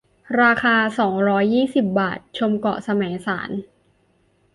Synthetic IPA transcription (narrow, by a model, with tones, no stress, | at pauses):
ɾaː˧kʰaː˧sɔː˩˦ŋɾɔː˦˥jːiː˥˩si˨˩p̚baː˨˩t̪̚t͡ɕʰo˧mkɔ̰˨˩sa˧mɛː˩˦ŋsaː˩˦n